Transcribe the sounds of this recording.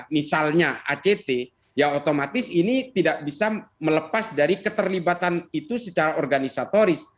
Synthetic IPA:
misalɲaa̰t͡ʃet̪e | jaot̪omat̪ɪsinit̪idaʔ̚bisamələpasdaɾikət̪ərlibat̪anit̪usət͡ʃaɾaɔrɡanisat̪oɾɪs

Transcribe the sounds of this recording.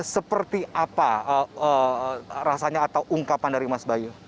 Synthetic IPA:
səpərt̪iʔapaəəɾasaɲaːt̪awʔuŋkapandaɾimasbaju

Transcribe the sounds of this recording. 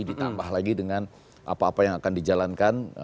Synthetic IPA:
idit̪ambaɦlaɡidəŋan | ʔa̰paːpajaŋakandid͡ʒalankan

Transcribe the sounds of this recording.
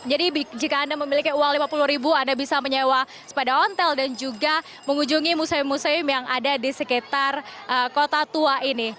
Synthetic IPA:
d͡ʒadibd͡ʒikaːndaməmilikiuwaŋlimapuluhɾibuandabisaməɲewa | sə̥padaɦɔnt̪ɛldand͡ʒuɡa | məŋuɲd͡ʒuŋimusamusamjaŋadadisəkit̪arʔəkot̪at̪uaʔini

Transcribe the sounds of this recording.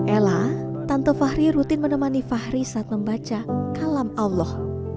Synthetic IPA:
ʔɛlat̪ant̪ofahɾiɾut̪ɪnmənəmanifahɾisaat̪̚məmbat͡ʃakalamalɔh

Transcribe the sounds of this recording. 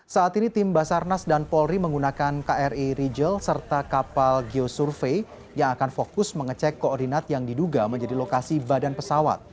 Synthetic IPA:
saːt̪init̪ɪmbasarnasdanpɔlriməŋɡunakankaʔɛrʔiɾid͡ʒəlsərt̪akapalɡiosurfe | jaŋakanfokʊsməŋət͡ʃɛkːoɔrdinat̪̚jaŋdiduɡaməɲd͡ʒadilokasibadanpəsawa̰t̪̚

